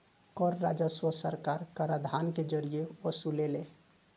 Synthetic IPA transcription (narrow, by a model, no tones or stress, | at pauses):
kɔɾːad͡ʒəswəsəɾkaɾkəɾad̪ʱanked͡ʒəɾijeɔsulele